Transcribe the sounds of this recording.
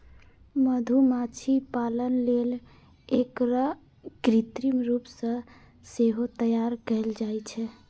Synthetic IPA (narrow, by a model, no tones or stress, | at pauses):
məd̪ʱumat͡ʃʰipalənlel | ekɾə | ɡɾit̪ɾimɾupsə̃ | seɦot̪əjaɾkəld͡ʒajt͡ʃʰɛ